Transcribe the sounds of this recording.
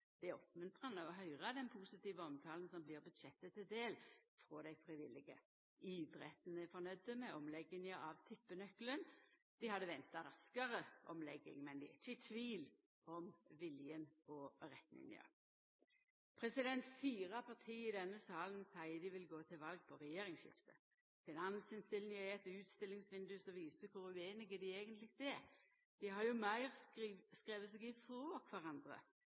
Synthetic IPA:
d̪̥ɪæɔpmʉnt̪ʁɑnəɔɦœʏʁɑd̪ɛnpʰusɪt̪iːʋəɔmt̪ʰɑːlənsɔmbliːʁbʉd̪ʃɛt̪ːət̪ʰːɪld̪eːlfʁɔːd̪æɪfʁɪʋɪlɪɡə̰ | iːd̪ʁɛt̪nəfɔnœd̪əmɛɔmlɛɡːɪŋəʔɑʋt̪ʰɪpːənœklənd̪̥ɪhɑd̪ːəʋɛnt̪ɑɾɑskɑʁəʔɔmlɛɡːɪ̰ŋmɛnd̪ɪæ̰ɪçːət̪ʰʋiːl | ɔmʋɪljənɔʁɛt̪mɪ̰ŋnɪ̰ə̰ | pʰʁɛsɪd̪ɛnt̪fiːʁɑpʰɑʁt̪ʰiːɪd̪ɛnːəsɑːlənsæɪəd̪ɪʋɪlɡoːt̪ʰɪlʋɑlɡ̚pʰɔʁɛjeːɾɪŋʃɪ̰ft̪ə | fɪnɑnsɪnst̪ɪlnɪəɛt̪ːəʉːt̪st̪ɪlːɪŋsʋɪnd̪ʉsɔʋiːsəkʰʊɾʉeːnɪɡəd̪ɪeːɡənt̪lɪɡd̪ɛ | d̪̥ɪhɑɾjʊmæɪʁskʁeːʋəseːɡɪfoːkʰʋæʁɑnd̪ʁə̰

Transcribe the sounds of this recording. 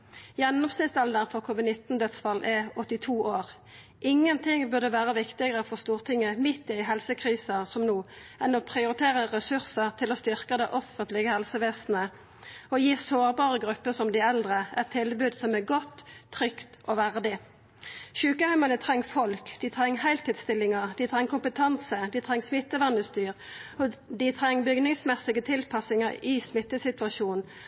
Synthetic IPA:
jɛnːɔmsnɪst̪ɛld̪ənfɔʁkʰuːʋɪd̪nɪt̪n̩d̪œt̪sfɑlʔɛɔt̪ːɪt̪ʰuːʔoːʁ | ʔɪŋːənt̪ʰɪŋbʉʁd̪əʋæːʁəʋɪkt̪ɪɡəʁəfɔʁst̪uːʁt̪ʰɪŋːəmɪt̪ːɪɦɛlsəkʰʁiːsɑsɔmnuːɛnɔpʰʁɪʊɾɪt̪ʰeːʁəʁɛsʉʁsəʁt̪ʰɪlɔst̪ʏʁkəd̪ɛʔɔfənt̪lɪɡəhɛlsəʋeːsnə | ɔjiːsoːʁbɑːʁəɡʁʉpːəsɔmd̪ɪɛld̪ʁəɛt̪ʰːɪlbʉːd̪sɔmæɡɔt̪ʰːʁʏkt̪ʔɔʋæʁd̪ɪ | ʃʉːkəhæɪmɑnət̪ʰʁɛŋːfɔlkd̪it̪ʰɾɛŋːhæɪlt̪ʰiːd̪st̪ɪlːɪŋəd̪ɪt̪ʰʁɛŋːkʊmpət̪ʰɑnsəd̪ɪt̪ʰʁɛŋːsmɪt̪ːəʋɑnəst̪yːʁɔd̪ɪt̪ʰʁɛŋːbʏɡnɪŋsmɛsːɪɡət̪ʰɪlpʰɑsɪŋəɪsmɪt̪ːəsɪt̪ʋɑʃuːnn

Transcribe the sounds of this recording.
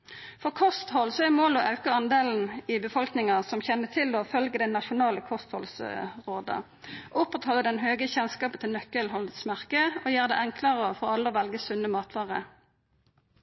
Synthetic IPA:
fɔʁkʰɔst̪hɔlsɔɛʁmoːlɔʔɑʉkəɑnd̪eːln̩ɪbəfɔlknɪŋəsɔmçɛnːət̪ʰɪlɔfœlɡəd̪ɛnɑʂʊnɑːləkʰɔst̪hɔlsʁoːd̪ə̰ | ʔʊpʁɛt̪ʰhɑːləd̪ɛnɦøːɡəçɛnskɑːpət̪ʰɪlnœkːəlɦɔlət̪smæʁkəɔːjæːʁd̪ɛ̰ːɛŋkʰlɑʁəəfɔʁɑlːəɔʋɛlɡəsʉnəmɑːt̪ʰʋɑːʁə

